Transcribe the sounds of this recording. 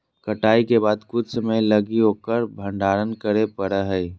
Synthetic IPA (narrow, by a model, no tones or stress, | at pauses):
kəʈaːikebaːd̪kʊd̪səməjləɡiɦoːkəɾbʱə̃ɳɖʱaːɾənkəɾepəɽəɦə